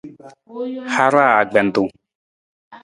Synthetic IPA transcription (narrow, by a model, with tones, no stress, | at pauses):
ha˦ɾa˦a˨ɡ͡bɛ˨nt̪u˨